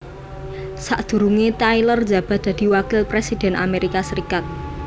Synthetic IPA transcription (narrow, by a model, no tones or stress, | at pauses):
saʔd̪̥ṳɾuŋet̪ailər̥d͡ʒä̤b̥a̤d̪̥a̤d̪̥i̤wakɪlpɾesid̪̥ɛ̤nʔa̰meɾikasəɾikat̪̚